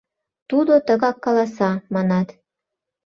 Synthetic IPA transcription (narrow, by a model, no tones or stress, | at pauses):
t̪ud̪ot̪ə̆ɣɑkːɑlɑsɑmɑnɑt̪